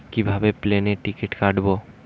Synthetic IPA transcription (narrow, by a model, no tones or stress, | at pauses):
kibʱabepleneʈikeʈkaɖbo